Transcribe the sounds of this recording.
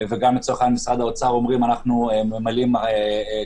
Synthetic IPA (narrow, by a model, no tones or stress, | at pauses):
veɡamːit͡soaχanmisʁad̪aot͡saʁo̞mʁimanaχnuememalime